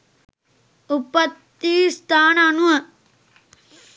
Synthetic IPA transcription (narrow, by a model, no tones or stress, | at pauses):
upːɐt̪ːist̪aːnanuɐ